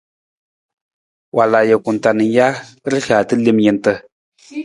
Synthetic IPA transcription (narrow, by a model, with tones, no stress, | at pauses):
wʔa˨la˨jə˨kʊ˨n˨ta˨nɨ˨˦ja˦ɾɨ˦xa˨tɨ˦le˦mjɛ˨n˦tɨ˦